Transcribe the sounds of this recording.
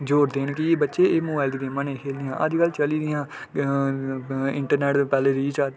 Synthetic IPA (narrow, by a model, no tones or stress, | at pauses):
d͡ʒoːɾd̪eːnkiːbətːʃeːeːmoːbaːɪld̪iːdeːmãːnẽːkʰeːld̪ɪjãːʔəd͡ʒkəlːt͡ʃəliːd̪ɪjãː | ɪ̰̃ɳʈəɾneːʈpɛːleːɾiːt͡ʃaː